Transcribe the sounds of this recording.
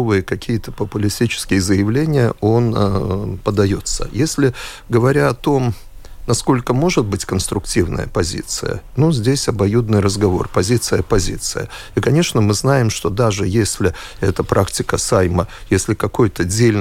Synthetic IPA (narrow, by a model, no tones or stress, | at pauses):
vɨjəkɐkʲijət̪ə̥pəpʊlʲɪsʲtʲit͡ɕɪ̥skʲɪjəzəjɪvlʲenʲɪjə̰o̞npəd̪ɐjo̞t̪sə̰jesʲlʲɪ | ɡəvɐɾʲaɐt̪o̞m | nɐsko̞lʲkəmo̞ʐɨt̪̚bɨtʲkənst̪ɾʊktʲivnə̰jə̰pɐzʲḭt̪sɨ̰jə̰nuzʲdʲesʲɐbɐjud̪nɨjrəzɡɐvo̞̰rpɐzʲit̪sɨjəpɐzʲḭt̪sɨjə̰ | ikɐnʲe̞ʂnəmɨznajɪmʂt̪o̞d̪aʐɨjesʲlʲɪɛt̪əpɾʔaktʲɪkəsajməjesʲlʲɪkɐko̞jt̪ədʲelʲn